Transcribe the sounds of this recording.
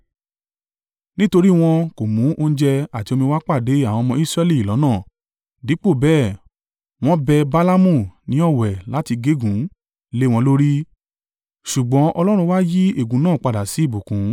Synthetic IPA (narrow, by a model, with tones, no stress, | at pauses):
nĩ˦to˧ɾi˦w̃ɔ̃˧ko˨mũ˨˦ʔo˧n̩˦d͡ʒɛ˧a˨ti˧o˧mĩ˧wa˦k͡pa˦˨de˨˦a˦˨w̃ɔ̃˧mɔ̃˧i˦sɾɛ˧li˦˨i˨lɔ̃˨˦nãː˦˨ | di˨˦k͡po˦˨bɛː˦˨ | w̃ɔ̃˦bɛ˧ba˦la˦mũ˦˨nĩ˨˦ɔ˦˨wɛ˨la˨˦ti˧ɡe˦ɡũ˨˦ | le˦w̃ɔ̃˧lo˦ɾi˦ | ʃu˨ɡ͡bɔ̃˨˦ʔɔ˧lɔ˦ɾ̃ũ˧wa˦ji˦e˦˨ɡũ˨˦nãː˦˨k͡pa˨da˨si˨˦i˦˨bo˨kũ˨˦